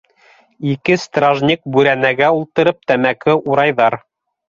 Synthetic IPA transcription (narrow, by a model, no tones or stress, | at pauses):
ikɘst̪raʒnʲik̚bʉɾænæɡæulˠt̪ɤ̆ɾɤp̚t̪æmækɘʔuɾɑjðɑɾ